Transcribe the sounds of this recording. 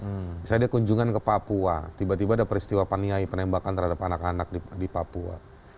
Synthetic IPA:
bisadiakuɲd͡ʒuŋankəpapua̰t̪ibat̪ibaːdapəɾist̪iwapaniaipənɛmbakant̪ərhadapanakanak̚idipapua̰

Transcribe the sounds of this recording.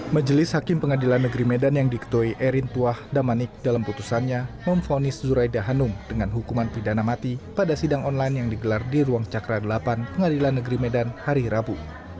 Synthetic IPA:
mad͡ʒəlɪshakɪmpəŋadilanːəɡɾimedanjaŋdikə̥t̪uiʔɛɾint̪uahdamanɪk̚dalamput̪usanɲaməmfonɪszuɾajdaɦanʊŋd̥əŋanɦukumanpidanamat̪ipadasidaŋɔnlajnjaŋdiɡəlardiɾuaŋt͡ʃakɾadəlapanpəŋadilanːəɡɾimedanhaɾiɾabu

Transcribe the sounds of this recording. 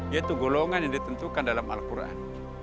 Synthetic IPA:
jat̪uɡɔlɔŋanjaŋdit̪ənt̪ukandalama̰lkurʔa̰n

